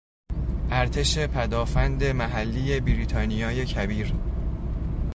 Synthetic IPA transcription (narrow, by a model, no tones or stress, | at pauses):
ʔæɾt̪ʰe̞ʃe̞pʰæd̪ɒːfænd̪e̞mæɦælːije̞biɾiːt̪ʰɒːnijɒːje̞cʰæbiːɾ